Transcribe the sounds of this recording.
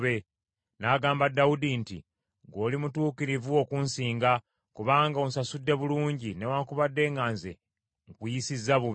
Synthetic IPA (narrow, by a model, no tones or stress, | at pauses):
βe | naɡaːmbadːaudintḭ | ɡo̞ːlimutuːkiɾivuokunsiːŋɡa | kuβaːŋɡaonsasudːe̞βuluːɲɟine̞waːŋkuβadːe̞ːŋɡaːnzḛ | ŋkujisizːaβuβ